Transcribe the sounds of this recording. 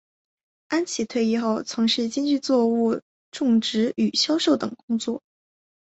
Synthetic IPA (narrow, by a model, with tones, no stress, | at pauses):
a˥nt͡ɕʰi˨˩t̪ʰwe˥˧ɪi˥˧xo˥˩ʊt͡sʰɤ˧˥ŋʂɻ̩˥˩t͡ɕi˥ŋt͡ɕy˥˧t͡swɔ˥˧u˥˧ | ʈ͡ʂʊ˥˩ŋʈ͡ʂɻ̩˧˥y˨˩ɕjɑ˥ʊʂo˥˩ʊt̪ɤ˨˩ŋkʊ˥ŋt͡swɔ˥˩